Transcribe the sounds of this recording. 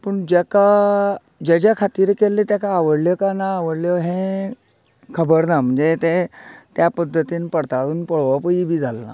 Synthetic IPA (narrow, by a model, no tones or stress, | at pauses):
pəɳd͡ʑeka | d͡ʑad͡ʑakʰat̪iːɾkelːet̪jakaːʋəɽljɔkanaːʋəɽljɔɦẽ | kʰəbəɽnam̤əɳd͡zet̪et̪japəd̪ʱːət̪iːnpəɽt̪aɽuːnpəɭʋapəibʱiːd͡zʱalːa̰